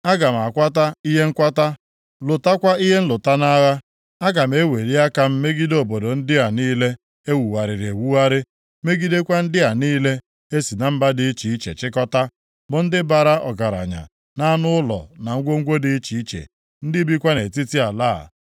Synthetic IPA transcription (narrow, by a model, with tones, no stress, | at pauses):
a˦ɡa˨m̩˨a˨kʷa˦ta˦i˦ɦe˦ŋ̩˦kʷa˦ta˦ | lʊ˨ta˦kʷa˦i˦ɦe˦n̩˦lʊ˨ta˦na˦ɣa˦ | a˦ɡa˨m̩˨˦e˦we˨ɾi˦a˦ka˨m̩˦me˦ɡi˦do˦˨bo˨do˨n̩˦dɪ˦a˨niː˦le˦ | e˦wu˨wa˨ɾɪ˨ɾe˨wu˦a˦ɾɪ˦ | me˦ɡi˦de˦kʷa˦n̩˦dɪ˦a˨niː˦le˦ | e˦si˨na˨m̩˦ba˦dɪ˦t͡ʃi˨i˦t͡ʃḛ˨t͡ʃɪ˦kɔ˦ta˦ | bʊ˨n̩˦dɪ˦ba˨ɾa˦ʔɔ̰˨ɡa˨ɾa̰˨ɲa̰˨ | na˦nʊ˦ʊ˦lɔ̰˨na˨ŋ̩˦ɡʷo˦ŋ̩˦ɡʷo˦di˦t͡ʃi˨i˦t͡ʃḛ˨ | n̩˦dɪ˦bi˦kʷa˦ne˨ti˦ti˦a˨laː˦˨